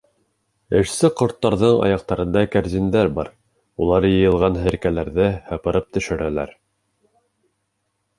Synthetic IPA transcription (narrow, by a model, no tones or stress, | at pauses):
ɘ̆ʃsɘqŏɾt̪ːɑɾðɤɴɑ̰jɑq̚t̪ɑɾɤ̆nd̪ɑkæɾzind̪æɾbɑɾ | ulˠɑɾjɤ̆jɤ̆lˠʁɑnɦɘ̆ɾkælæɾðɘhɑpɤ̆ɾɤp̚t̪ɵ̆ʃɘ̆ɾælæ̰ɾ